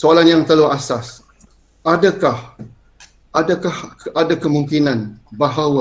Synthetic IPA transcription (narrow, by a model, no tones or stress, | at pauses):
soalanjaŋt̪aluasas | ʔadakah | ʔadakahadakəmuŋkinanbaɦawa